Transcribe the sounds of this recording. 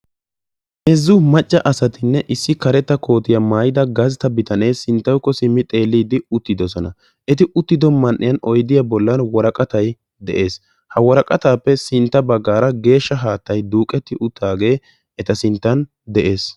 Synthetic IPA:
ʔɛzːʊmɐt͡ʃʼːɐʔɐsɐt̪ɪnːɛʔɪsːɪkɐɾɛt̪ːɐkʰo̞ːt̪ɪjɐmaːjɪd̪ɐɡɐzt̪ɐbɪt̪ɐne̞ːsɪnt̪ːɐwkːɔsɪmːɪt̪ʼe̞ːlːiːd̪ɪʊt̪ːɪd̪ɔsɔnɐ | ʔɛt̪ɪʔʊt̪ːɪd̪ɔmɐnʔɪ̰jɐnɔjd̪ɪjɐbɔlːɐnwɔɾɐkʼɐt̪ɐj | d̪ɛ̰ʔe̞ːs | hɐwɔɾɐkʼɐt̪aːpːɛsɪnt̪ːɐbɐɡːaːɾɐɡe̞ːʃːɐɦaːt̪ːɐjd̪uːkʼɛt̪ːɪʔʊt̪ʰːaːɡe̞ː | ɛt̪ɐsɪnt̪ːɐn | d̪ɛʔe̞ːs

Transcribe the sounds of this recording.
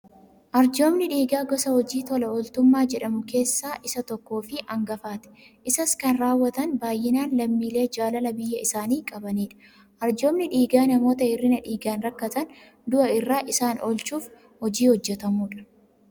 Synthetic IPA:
ʔɐɾd͡ʒo̞ːmnɪᶑiːɡaːɡɔsɐhɔd͡ʒiːt̪ɔlɐɔlt̪ʊmːaːd͡ʒɛᶑɐmʊke̞ːsːaːʔɪsɐt̪ɔkːo̞ːfɪʔɐŋɡɐfaːt̪ɛ̥ | ʔɪsɐskɐnɾaːwːɐt̪ɐnbaːjːɪnaːnlɐmːiːle̞ːd͡ʒaːlɐlɐbɪjːɐɪsaːniːkʼɐbɐniːᶑɐ̥ | ʔɐɾd͡ʒo̞ːmnɪᶑiːɡaːnɐmo̞ːt̪ɐɪrːɪnɐᶑiːɡaːnɾɐkːɐt̪ɐn | d̪ʊʔɐɪrːaːʔɪsaːnɔlt͡ʃuːf | hɔd͡ʒiːhɔd͡ʒːɛt̪ɐmuːᶑɐ̥

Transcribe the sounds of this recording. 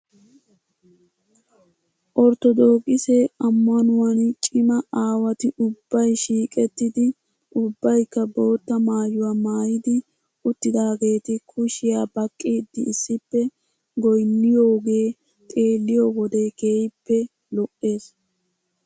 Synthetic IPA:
ʔɔɾt̪ɔd̪o̞ːkʼːɪseɐmːɐnʊwɐnt͡ʃʼɪmɐaːwɐt̪ɪʔʊbːɐjʃiːkʼɛt̪ːɪd̪ɪ | ʔʊbːɐjkːɐbo̞ːt̪ːɐmaːjʊwaːmaːjɪd̪ɪ | ʊt̪ːɪd̪aːɡe̞ːt̪ɪkʰʊʃɪjaːbɐkʼːiːd̪ːɪɪsːɪpːɛ | ɡɔjnːɪjoːɡe̞ː | t̪ʼe̞ːlːɪjɔwɔd̪ekeːjɪpːɛ | lɔʔːe̞ːs

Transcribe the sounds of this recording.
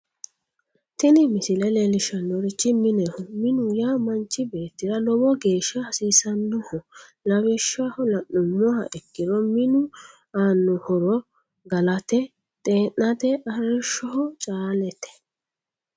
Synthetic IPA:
t̪ɪnɪmɪsɪlɛlɛlɪʃɐnːɔɾɪt͡ʃːɪmɪnɛhʊmɪnʊjaːmɐnt͡ʃːɪbe̞ːt̪ːɪɾɐlɔbɔɡe̞ːʃːɐhɐsiːsɐnːʊhɔlɐwɛʃahɔlɐʔːʊmːɔhɐ̰ʔɛkːɪɾɔmɪnʊ | aːnːɔhɔɾɔ | ɡɐlɐt̪ɛ | t̪ʼeːʔɐt̪ɛʔɐɾɪʃːɔhɔt͡ʃʼaːlɛt̪ɛ̥

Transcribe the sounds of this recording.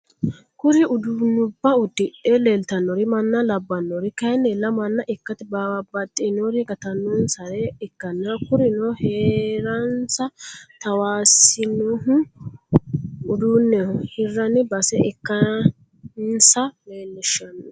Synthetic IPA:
kʊɾɪʊd̪unːʊbːɐʊd̪ːɪᶑɛleːlt̪ɐnːɔɾɪmɐnːɐlɐbːɐnːɔɾɪkɐɪnːɛlɐmɐnːɐʔɪkːɐt̪ɪbaːwɐbɐt̪ʼːɪnɔɾɪɡɐt̪ɐnːunsɐɾɛɪkːɐnːɐkʊɾɪnɔheːɾɐnsɐt̪ɐwaːsɪnuɦʊ | ʊd̪uːnːɛhɪrːɐnɪbɐsɛʔɛkːɐ | nsɐmeːlːɪʃːɐnːɔ

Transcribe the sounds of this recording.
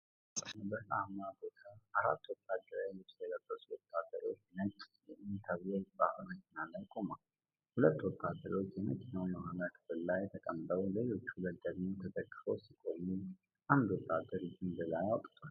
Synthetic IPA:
nəbəahmabot̪ʰaaɾa̰t̪ːwɔt̪ʰːad̪ːəɾalɨsələrːəsuwɔt̪ʰːad̪əɾo̞̰t͡ʃːnət͡ʃʼjɛʔint̪ʰəβieba̰həməkɪnalːəjkʼo̞mal | hulət̪ːwɔt̪ʰːad̪əɾo̞t͡ʃːjɛmɨkʼɪnəwməhanət̪b̥əlːajɛt̪ʰəkʼəmbəwləlo̞t͡ʃːuləɡədmut̪ʰət̪ʼəkʼːfowsikʼo̞mu | ʔand̪wɔt̪ʰːad̪əɾɨd͡ʒɨnbəlajawt̪ʼt̪ʰʼa

